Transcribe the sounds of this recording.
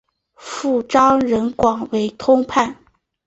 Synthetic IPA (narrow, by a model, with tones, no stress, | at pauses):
fu˥˩ʈ͡ʂɑ˥ʊɻə˧˥nkwɑ˨˩ŋwe˧˥ɪt̪ʰʊ˥ŋpʰa˥˩n